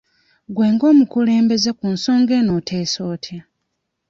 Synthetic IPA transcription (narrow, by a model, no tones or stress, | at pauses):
ɡweːŋɡo̞ːmukule̞ːmbe̞zekunso̞ːŋɡe̞ːno̞tʰe̞ːso̞ːtʰja